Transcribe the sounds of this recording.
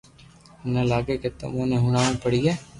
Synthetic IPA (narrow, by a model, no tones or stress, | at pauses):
nəlaːɡeket̪ʊ̰mõːnẽɦʊnaːnĩpəɽiːɛː